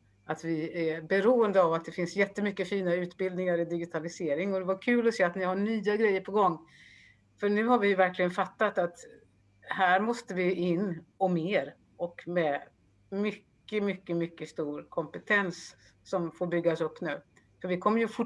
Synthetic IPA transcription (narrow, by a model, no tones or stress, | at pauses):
ʔat̪vɪæbɛɾuːənd̪əavat̪̚d̪ɛfɪnsjɛt̪ːəmʏkːəfiːnaʉ̟ːt̪bɪld̪nɪŋaɾɪd̪ɪɡɪt̪ʰalɪseːɾɪŋɔd̪ɛvaɾkʰʉ̟ːlɔseːat̪nɪhaɳyːaɡɾɛjːəɾpʰɔɡɔŋː | fœɳʉ̟ːhaɾvɪjɵvæɾklɪɡənfat̪ːat̪at̪ | hæːɾmɔst̪əvɪɪnːɔmeːɾ | ʔɔkmɛ | mʏkːəmʏkːəmʏkːəst̪uːɾkʰɔmpɛt̪ʰɛnsː | ɔmfoːɾbʏɡːaɔsɵpːnʉ̟ː | fœɾvɪkʰɔmːəɾjɵfʊ